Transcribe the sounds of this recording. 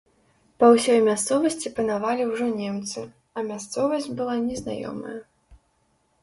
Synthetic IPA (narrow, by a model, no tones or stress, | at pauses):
pɐwsʲɔjmʲast̪sɔvɐsʲt͡sʲipɐnavalʲiwʐɔnʲɛmt̪sɨ | ɐmʲast̪sɔvɐsʲd͡zʲbɨlˠanʲɛzna̰jɔ̰mɐ̰jɐ